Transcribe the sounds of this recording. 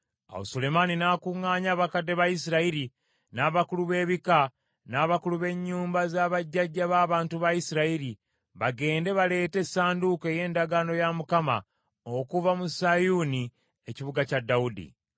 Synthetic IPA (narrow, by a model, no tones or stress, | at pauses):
a̰wo̰sole̞maninaːkuŋːaːɲaːβakadːe̞βajisiɾaiɾi | naːβakuluβe̞ːβika | naːβakuluβe̞ɲːuːmbazaːβaɟːaɟːaβaːβaːntuβajisiɾaiɾi | βaɡe̞ːnde̞βale̞ːte̞sːaːndukeje̞ːndaɡano̞jamukama̰ | okuvamusajuni | eciβuɡacadːaudḭ